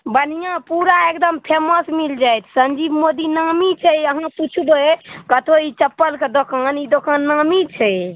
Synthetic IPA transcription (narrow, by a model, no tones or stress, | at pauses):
bənijãpuɾaekd̪əmpʰeməsmild͡ʒajt̪ʰsənd͡ʒibmod̪inamit͡ʃʰɛəɦãput͡ʃʰubekət̪ʰoit͡ʃəpːəlked̪okanid̪okanːamit͡ʃʰɛj